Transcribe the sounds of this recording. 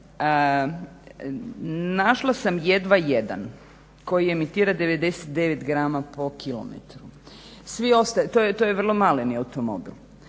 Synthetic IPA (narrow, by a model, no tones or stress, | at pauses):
ə | naʃlˠasamjed̪ʋajed̪a̰n | ko̞jiemit̪iːɾad̪e̞ʋe̞d̪e̞se̥t̪̚d̪e̞ʋet̪ɡɾaːmapo̞kʰilˠo̰mḛt̪ɾu | sʋio̞st̪at̪ojet̪ojeʋrlˠo̞maleniaut̪omo̞̰bḭl